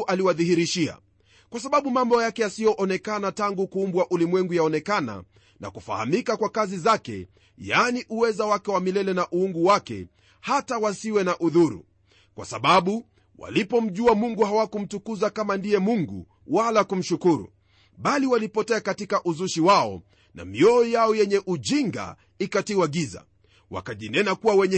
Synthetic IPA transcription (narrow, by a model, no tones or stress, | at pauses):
ʔaliwaðihiɾiʃia̰ | kwasaɓaɓumambɔjakɛjasijɔʔɔnɛkanataŋɡukuːmbwaʔulimwɛŋɡujaɔnɛkana̰ | na̰kufa̰ha̰mikakwakazizakɛ̰ | janiʔuwɛzawakɛwamilɛlɛnaʔuuŋɡuwakɛ̰ | hatawasiwɛnaʔuðuɾṵ | kwa̰saɓaɓu | wa̰lipɔm̩ʄuamuŋɡuhawakum̩tukuzakamandijɛmuŋɡṵ | walakum̩ʃukuɾṵ | ɓaliwalipɔtɛakatikaʔuzuʃiwaɔ̰ | na̰miɔːjaɔjɛɲɛʔuʄiŋɡa̰ | ikatiwaɠiza̰ | wa̰kaʄinɛnakuwawɛɲɛ